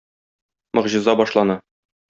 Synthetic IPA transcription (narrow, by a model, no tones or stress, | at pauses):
mɤ̆ʁʑɤ̆zɑbɒʃlˠɑnɑ